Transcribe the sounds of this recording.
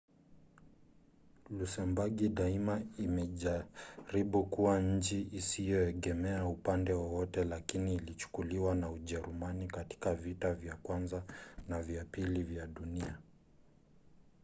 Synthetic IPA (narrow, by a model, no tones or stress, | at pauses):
lusɛmbaɡiɗaimaimɛʄaɾiɓukuwaɲ̩t͡ʃiʔisijɔɛɠɛmɛaupandɛwɔwɔtɛlakiniːlit͡ʃu̥kuliwanauʄɛɾumanikati̥kavitavjakwanzanavjapilivjaɗunia